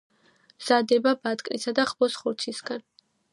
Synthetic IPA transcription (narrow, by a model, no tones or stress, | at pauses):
mz̥ad̪ɛbabat̪ʼkʼnḭsad̪aχbɔsχuɾt̪sʰisɡ̥an